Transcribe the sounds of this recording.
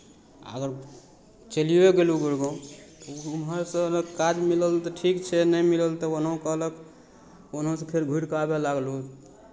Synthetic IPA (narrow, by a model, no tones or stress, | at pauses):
ə̰ɡəɾ | t͡ʃəliweɡeluɡuɾɡõt̪ɔunɦəɾsə̃nəkad͡ʒmiləlt̪ɔʈʰikt͡ʃʰɛnəjmiləlt̪ɔonõkəɦlək | onɦõsẽpʰeɾɡʱuɽkabelaɡlu